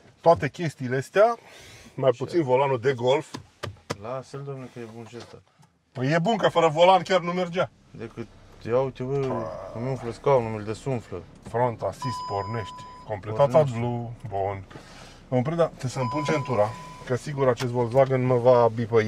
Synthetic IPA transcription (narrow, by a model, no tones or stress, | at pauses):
t̪oat̪e̞kʲe̞st̪iːleəst̪eamajput̪sinvo̞lanud̪e̞ɡo̞lf | lafeld̪omnekəjebunʃest̪a | pəje̞bunkəfəɾəvo̞lankʲarnumerd͡ʒa | d̪ekɨt̪̚jeawt͡ʃevəumiuɱfləskanumild̪esunflə̰ | fɾont̪asist̪po̞rne̞ʃt̪ʲko̞mple̞tt̪at̪ablubon | əməpɾed̪at̪esəmpunt͡ʃent̪uɾakəsiɡuɾat͡ʃest̪vollaɡənməvabipəj